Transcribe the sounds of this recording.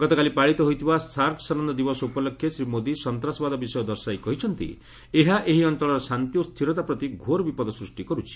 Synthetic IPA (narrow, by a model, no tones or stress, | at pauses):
ɡ̥ɔt̪ɔkalipaɭit̪ɔɦojt̪ʰibasaɾksɔnɔnd̪ɔd̪ibɔsɔupɔlɔkʰːjesɾimod̪isɔnt̪ɾasɔbad̪ɔbisɔjɔd̪ɔɾsajkɔɦit͡ʃʰɔnt̪ḭ | eɦaʔeɦiɔnt̪ɔɭɔɾɔsant̪jost̪ʰiɾɔt̪apɾɔt̪iɡʱoɾɔbipɔd̪ɔsɾusʈikɔɾut͡ʃʰi̥